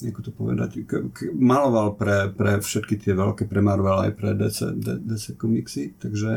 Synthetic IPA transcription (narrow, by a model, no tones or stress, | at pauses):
ɲɛkɔ̥t̪ɔpɔʋɛ̰d̪a̰ckkmalɔʋalpɾɛpɾɛfʃɛt̪kit̪ɪɛʋɛlkɛpɾɛmaɾʋɛlɛa̰jpɾɛd̪ɛsɛ̰d̪ɛd̪ɛsɛkɔmiksit̪aɡʒɛ